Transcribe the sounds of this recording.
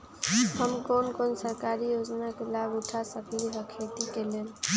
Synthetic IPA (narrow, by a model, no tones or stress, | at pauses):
həmkonkonsəɾkaɾijod͡ʒnakelabuʈʰasəkliɦəkʰet̪ikelen